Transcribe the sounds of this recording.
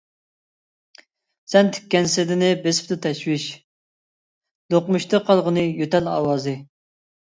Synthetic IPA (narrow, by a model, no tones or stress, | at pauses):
sɛnt̪ʰy̥kʲːɛnsɪd̪ɪnɪbesɪ̥p̚t̪ɨt̪ʰɛʃwɪʃ | d̪̥oqmuʃt̪ʰɨqʰɑlˠʁənɨjøt̪ɛlɑ̰ːwɑːzɨ